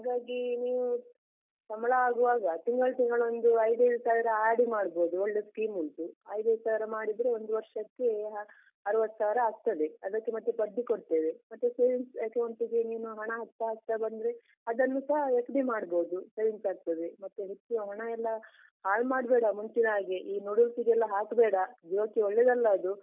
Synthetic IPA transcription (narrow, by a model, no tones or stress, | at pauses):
ɦaːɡaːɡiniːʋu | sɐmɐɭɐaːɡuʋaːɡɐt̪iŋɡɐɭt̪iŋɡɐɭo̞nd̪uɐjd̪ɐjd̪usaːʋiɾɐaːɾɖimaːɽbo̞ːd̪uoɭːe̞skiːmːunt̪uɐjd̪ɐd̪saːʋiɾɐmaːɽid̪ɾeo̞nd̪uʋɐɾʂɐkːe | ɐɾuʋɐt̪ːsaːʋiɾɐaːɡt̪ɐd̪eɐd̪ɐkːemɐt̪ːupɐd̪ːikoɽt̪eːʋemɐt̪ːeseʋinsɐkɐwɳʈiɡeniːnuɦɐɳɐɦɐt̪ːɐɦɐɡ̚t̪ɐbɐnd̪ɾe | ɐd̪ɐnːusɐɦɐekɖimaːɽbo̞ːd̪useːʋinsaːɡ̚t̪ɐd̪emɐt̪ːuɦet͡ʃːuoɦɐɳɐɛlːɐ | haːɭmaːɽbɛːɽɐmuɲt͡ʃinaːɡeʔiːnuɽult̪iɡɛlːɐɦaːkbɛːɽɐd͡ʒoːkioɭːed̪ɐlːɐːd̪u